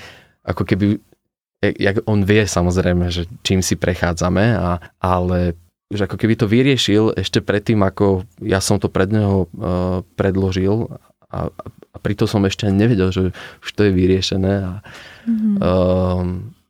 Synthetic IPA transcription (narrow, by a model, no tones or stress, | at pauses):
ʔa̰kɔkɛbi | ɛja̰ɡɔnʋɪɛsamɔzɾɛjmɛʒɛt͡ʃiːmsipɾʔɛxaːd͡zamɛaʔalɛ | uʒɛakɔkɛbit̪ɔʋiɾɪɛʃilɛ̰ʃcɛpɾɛt̪ːiːmakɔjasɔmt̪ɔpɾɛd̪ɲɛɦɔ | pɾɛd̪lɔʒil | a̰apɾit̪ɔsɔmɛʃcɛaɲɛʋɛɟɛlʒɛuʃt̪ɔjɛʋiɾɪɛʃɛnɛːa